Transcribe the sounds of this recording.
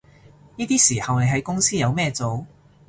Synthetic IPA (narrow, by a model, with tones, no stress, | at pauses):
niː˥t̪iː˥siː˨˩hɐ˨wne˨˧jɦɐ˨˥jkʊ˥ŋsiː˥jɐ˨˧wmɛː˥˧t͡so˨˧w